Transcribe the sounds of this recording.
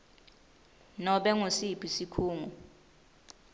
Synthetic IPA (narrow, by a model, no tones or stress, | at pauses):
nɔɓɛŋosipʰisikʰuːŋu